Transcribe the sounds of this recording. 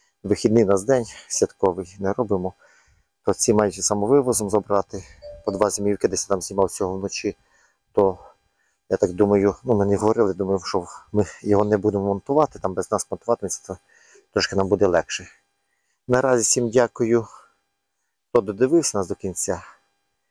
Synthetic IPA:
ʋɪxʲid̪nɪjnɑzd̪ɛnʲsʲʋʲɐt̪kɔʋɪjnɛɾɔbɪmɔ | t̪ɔt͡sʲimɑjʊt͡ʃʲɛsɑmɔʋɪʋɔzɔmzɔbɾɑt̪ɪpɔd̪ʋɑzʲemʲiwkɪd̪ɛsʲjat̪ɑmzʲnʲimɑwt͡sʲɔɦɔwnɔt͡ʃi | t̪ɔ | jat̪ɑkd̪umɐjʊnumɛnɪɦɔʋɔɾɪlˠɪjd̪umɐjʊʃɔmɪjɔɦɔnɛbud̪emɔmɔnt̪ʊʋɑt̪ɪ̥t̪ɑmbɛznɑsmɔnt̪ʊʋɑt̪ɪnɐsʲi̥t̪ɔ | t̪ɾɔʃkɪnɑmbud̪ɛlˠɛkʃɛ | nɐɾɑzʲisʲimdʲakʊjʊ | t̪ɔd̪ɔd̪ɪʋɪwsʲɐnɑsd̪ɔkʲinʲt͡sʲa

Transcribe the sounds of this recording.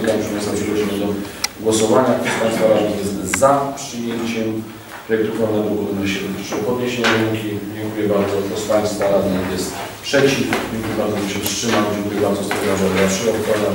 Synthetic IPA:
kapʂɛmɛsɛmʂiɡɔd͡ʑimɛd̪ɔɡwɔsɔvaɲakt̪ɾɔspaj̃st̪faɾad̪nʲijɛst̪zapʂɨjɛɲt͡ɕɛm | pɾɔjɛkt̪ukɾannɛɡ̪ɔʔuunɛɕɛʂɨpɔd̪ɲeɕeɲaɾɛŋkʲid͡ʑɛŋkujɛbaɾd̪zɔk̪ɾɔspaj̃st̪faɾad̪ɲikjɛst̪pʂɛt͡ɕifd͡ʑɛŋkujɛbaɾd̪zɔɛɕɛfstʂɘmamd͡ʑɛŋkujɛbaɾd̪zɔst̪ɔɾaʐad̪aʂɛɔt̪kɔna

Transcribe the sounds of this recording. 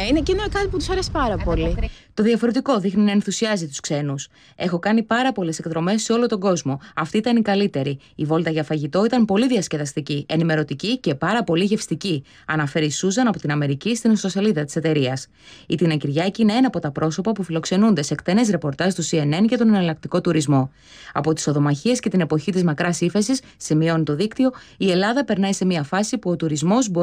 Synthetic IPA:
inecinokɐt̪iput̪usɐɾesi̥pɐɾɐpo̞lit̪oðiɐfo̞ɾe̞t̪iko̞ðixninɐe̞nθusiɐzit̪uskse̞nus | e̞xo̞kɐnipɐɾɐpo̞le̞se̞kt̪ɾo̞me̞sːe̞o̞lot̪o̞ɡo̞zmo̞ɐft̪iit̪ɐnikɐlit̪e̞ɾi | ivo̞lt̪ɐʝɐfɐʝit̪o̞it̪ɐmpo̞liðiɐsceðɐst̪icie̞nime̞ɾo̞t̪icice̞pɐɾɐpo̞liʝe̞fst̪ici | ɐnɐfe̞ɾisuzɐnɐpo̞t̪inɐme̞ɾicist̪insoseliðɐt̪i̥se̞t̪e̞ɾiɐs | it̪inɐciɾʝɐciine̞enɐpo̞t̪ɐpɾo̞so̞pɐpufilo̞kse̞nund̪e̞sekt̪e̞ne̞sɾe̞po̞ɾt̪ɐst̪usie̞ne̞nce̞t̪o̞nɐnɐlɐk̚t̪iko̞t̪uɾizmo̞ | ɐpo̞t̪i̥so̞ðo̞mɐçie̞sce̞t̪ine̞po̞çit̪izmɐkɾɐsife̞sisːimio̞nit̪o̞ðikt̪io̞ | ie̞lɐðɐpe̞ɾnɐise̞miɐfɐsipuo̞t̪uɾizmo̞zbo̞

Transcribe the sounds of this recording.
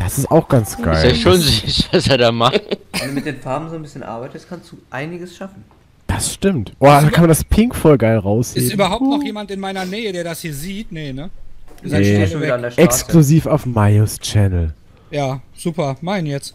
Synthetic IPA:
d̥asɪsta̰ʊxɡ̥ant͡sɡ̥a̰ɪjaʃoːnzyçv̥aseːɐdaːmaχtvɛndumɪt̚d̥eːnfaɐbm̩zoːnbɪsçənʔa̰ɐbaɪtəstkʰanstd̥uːʔaɪnɪɡəsʃafn̩ | d̥asʃtɪmtʔoɐdaːkʰanmandaspʰɪŋkfɔlɡaɪlʁaʊshɪsːtʔyːbɐɦaʊtnɔxjeːmantɪnmaɪnɐnɛːədeːɐdashiːɐziːtnənəneoiandeɐɛkːskluziːfaʊfmaɪost͡ʃɛnl̩ | jaːz̥uːpɐmaɪnjɛt͡st

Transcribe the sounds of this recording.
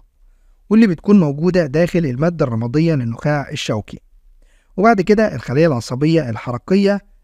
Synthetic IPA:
welːiːbɪt̪kuːnmowɡuːd̪æd̪æːxɪlɪlmæːd̪ːærˤːɑmɑd̪ˤejːɑlɪnːʊxæːʕeʃːæwkḭ | webaʕd̪ked̪æʔelxælːæːjːælʕɑnsˤɑbejːɑʔelħɑɾˤɑqejːɑ

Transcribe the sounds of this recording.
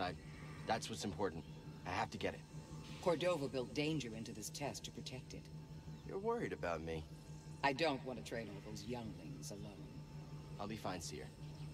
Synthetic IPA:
ãɪ̃ | ðætswʌtsɨ̃m̩pʰɔɹʔn̩taɪhæftɨɡɛɾɨ̰t̚kʰɔɹdoʊvəbɪlˠt̚d̥ẽɪ̃nd͡ʒə˞ɪ̃ntʉðɪstʰɛstʰɨ̥pʰɹ̥ɨtʰɛk̚tɨ̰tjə̰˞wɜ˞iɾɨbaʊt̚mi | aɪdõʊ̃nʔwɑ̃ntɨtʰɹ̥ẽɪ̃ɾɔlˠvðoʊzjʌ̃ŋlɪ̃ŋzəlõʊ̃nhaʊldifãɪ̃nsḭ

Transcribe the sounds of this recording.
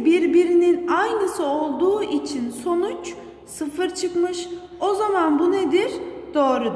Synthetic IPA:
biɾbiɾininajnɯsɯo̞lˠd̪uːʔit͡ʃʰinso̞nut͡ʃ | sɯfɯɾt͡ʃʰɯkmɯʃ | o̞zamanbuned̪iɾd̪̥o̞ːɾud̪

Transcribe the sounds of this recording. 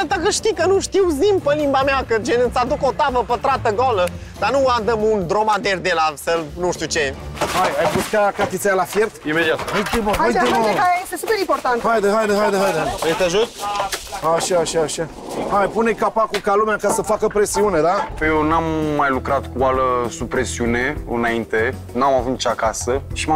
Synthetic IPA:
at̪akəʃt̪ikənuʃt̪iwzimpəlimbameakəd͡ʒenɨt̪sad̪uko̞t̪avəpət̪ɾat̪əɡolə | d̪̥anuand̪əmund̪ɾomad̪erd̪elasəlnuʃt̪ut͡ʃehajajpuʃt̪akat̪it̪sealafjert̪imed̪iat̪ajt̪imoaj̪ioeajajest̪esupeɾimport̪ant̪hajd̪eɦajd̪eɦajd̪eɦajd̪eejt̪aʒut̪ | aʃaːʃaːʃa | hajpunekapakukalumeakasəfakəpɾe̞siune̞d̪apjewnamːajlukɾat̪kuwaləsupɾesiune̞ɨ̰naint̪e | namavut̪̚t͡ʃakasəʃima

